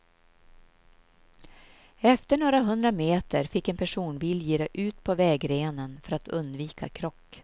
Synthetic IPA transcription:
ɛft̪əɳoːɾaɦɵnd̪ɾameːt̪əɾfɪkːɛnpʰæʂuːnbɪljiːɾɛjʔʉ̟ːt̪pʰɔvɛːɡɾeːnənfœɾat̪ɵnd̪viːkʰa̰kʰɾɔkː

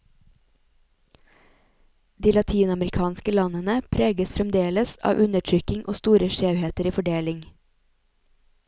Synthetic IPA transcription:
d̪iːlɑt̪ʰiːnɑməɾɪkʰɑːnskəlɑnənəpʰɾeːɡəsfɾɛmd̪eːləsɑ̰ːʋʔʉnəʈʰɾʏkɪŋʔo̰ːst̪uːɾəʃeːheːt̪əɾiːfɔɖeːlɪŋ

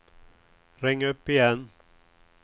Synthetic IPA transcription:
ɾɛŋːɵpːɪjɛn

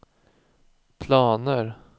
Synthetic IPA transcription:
pʰlɑːnəɾ

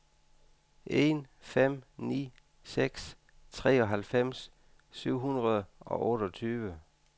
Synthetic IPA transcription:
ʔe̝nfem̰nḭː | seɡ̥s | t͡sʰʁɛ̰ːɒ̽ɦælfem̰s | syʊ̰ɦunʁɐðˠɒ̽ʔɔ̽ːɾ̥ɒt͡sʰyːʋə

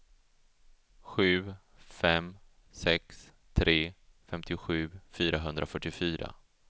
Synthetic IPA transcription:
ɧʉ̟ː | fɛm | sɛks | t̪ʰɾʔeːfɛmt̪ʰɪɧʉ̟ːfyːɾaɦɵnd̪ɾafœʈːɪfyːɾʔa̰

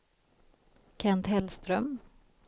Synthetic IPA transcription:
kʰɛnt̪hɛlst̪ɾœm

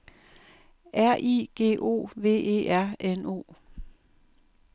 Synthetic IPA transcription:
ʔæɐ̰ʔḭːɡ̥e̝̰ːʔo̝̰ːʋe̝̰ːe̝̰ːʔæɐ̰eno̝̰ː

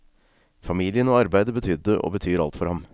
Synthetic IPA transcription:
fɑmiːlɪənoːɑɾbæɪd̪əbət̪ʰʏd̪əʔo̰ːbət̪ʰyːɾɑ̰lt̪fɔɾhɑm

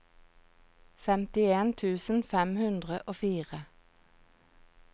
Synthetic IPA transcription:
fɛmt̪ɪeːnt̪ʰʉːsn̩fɛmhʉnd̪ʁəʔoːfiːʁə

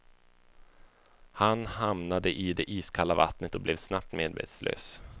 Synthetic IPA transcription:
hanɦamnad̪əʔɪd̪ɛʔiːskʰalːava̰t̪nət̪ɔblɛvsnap̚t̪meːd̪vḛːt̪slʔø̰ːs

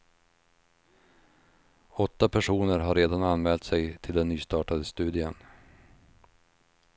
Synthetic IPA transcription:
ɔt̪ːapʰæʂuːnəɾɦaɾeːd̪ananmɛːlt̪sɛjt̪ʰɪld̪ɛnːyːst̪ɑːʈad̪əst̪ʉ̟ːd̪ɪən

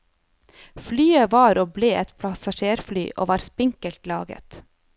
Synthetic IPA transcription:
flyːəʋɑːɾoːbleːʔɛt̪pʰlɑsɑʃeːɾfly̰ːʔo̰ːʋɑːɾspɪŋkəlt̪lɑːɡə̰t̪

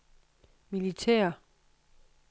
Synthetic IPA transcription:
milit͡sʰɛ̰ːɐ

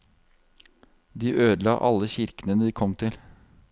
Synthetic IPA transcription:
d̪iːʔøːd̪lɑ̰ːʔɑ̰lːəçɪɾkənənəd̪iːkʰɔmt̪ʰɪl

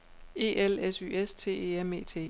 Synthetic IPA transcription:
e̝ːʔelesy̰ːest͡sʰe̝̰ːe̝̰ːeme̝̰ːt͡sʰe̝̰ː

